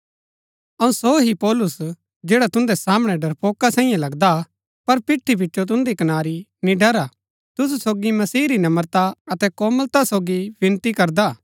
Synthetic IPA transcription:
ɐũsoɦipɔːlʊs | d͡ʒɛːɽat̪ʊ̃nd̪ɛsaːmɽ̃ɛɖɐɾpoːkasɛ̃ːĩjãlɐɡd̪a | pɐɾpɪʈʰːip̬ɪtːʃot̪̬ʊ̃nd̪ikɐnaːɾinĩɖɐɾa | t̪ʊsusoːɡimɐsiːɾinɐməɾt̪aɐt̪ɛkoːməlt̪asoːɡibɪ̃nt̪ikɐɾd̪aː

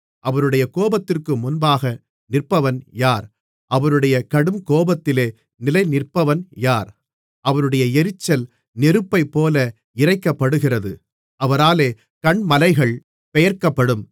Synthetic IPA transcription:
ʔɐʋɐɾɯɽɐjɐkoːbɐt̪ːɪrkɯmʊnbaːɣɐ | nɪrpɐʋɐnjaːɾ | ʔɐʋɐɾɯɽɐjɐkɐɽɯmkoːbɐt̪ːɪleː | nɪlɐɪnɪrpːɐʋɐnjaːɾ | ʔɐʋɐɾɯɽɐjɐɛɾɪt͡ʃːɐl | nɛɾɯpːɐɪpːoːlɐ | ɪrɐɪkːɐpːɐɽɯɣɪrɐðɯ | ʔɐʋɐɾaːleː | kɐɳmɐlɐɪɣɐɭ | pɛjɐɾkɐpːɐɽɯm

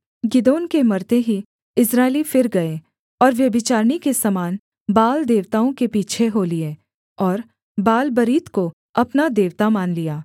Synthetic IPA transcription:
ɡɪd̪oːnkemɐɾt̪eɦi | ɪsɾaːɪlifɪɾɡɐe | ɔːɾʋjɐbɪt͡ʃaːɾɽ̃ikesɐmaːn | baːld̪eːʋt̪aːõkepiːt͡ʃʰeɦoːlie | ɔːɾ | baːlbɐɾiːt̪ko | ɐpnad̪eːʋt̪amaːnlijaː

